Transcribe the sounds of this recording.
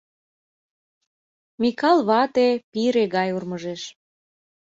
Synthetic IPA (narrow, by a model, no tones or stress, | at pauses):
mikɑlβɑt̪epiɾeɣɑjurməʒeʃ